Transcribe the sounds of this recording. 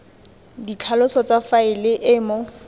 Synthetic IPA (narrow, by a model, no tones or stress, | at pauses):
dit͡ɬʰalʊsɔt͡safaɪlɪʔɪːmʊ